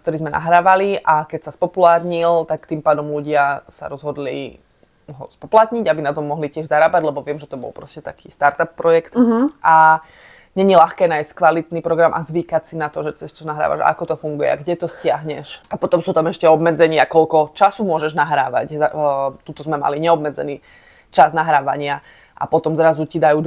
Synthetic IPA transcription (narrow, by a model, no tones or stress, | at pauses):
kt̪ɔɾiːzmɛna̰ɦɾaːʋaliʔakɛcsaspɔpulaːɾɲilt̪akt̪impaːd̪ɔmluɟɪasa̰ɾɔzɦɔd̪lḭ | ɦɔ̰spɔplat̪ɲiɟabinat̪ɔmːɔɦlicɪɛʒzaɾaːbaɟlɛbɔʋɪɛmʒɛt̪ɔbɔ̰lpɾɔscɛt̪akiːst̪aɾt̪apːɾɔjɛkt̪ʔa | ɲɛɲilaxkɛːnajsckʋalit̪nipɾɔɡɾamʔa̰zʋiːkacsinat̪ɔʒɛt͡sɛst͡ʃɔnaɦɾa̰ːʋa̰ʒa̰akɔt̪ɔfuŋɡujɛ̰aɡɟɛt̪ɔscɪaɦɲɛʃapɔt̪ɔmsuːt̪amɛʃcɛɔbmɛd͡zɛɲɪakɔʎkɔt͡ʃasuːmʊɔʒɛʒnaɦɾaːʋa̰czat̪ut̪ɔzmɛma̰liɲɛɔbmɛd͡zɛ̰niː | t͡ʃaznaɦɾaːʋaɲɪa | ʔa̰pɔt̪ɔmzɾazucid̪ajuːd̪